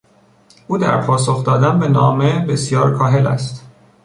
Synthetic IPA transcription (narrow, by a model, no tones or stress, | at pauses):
ʔuːd̪æ̰ɾpʰɒːsoxd̪ɒːd̪ænbe̞nɒ̰ːme̞be̞sjɒːɾkʰɒːɦe̞læ̰st̪